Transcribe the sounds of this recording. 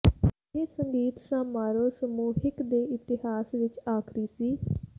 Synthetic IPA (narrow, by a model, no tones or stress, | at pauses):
eːsəŋɡiːt̪sãːmaːɾoːsəmuːɦɪkd̪eːʔɪt̪ɪɦaːsʋɪt͡ʃaːkʰɾiːsiː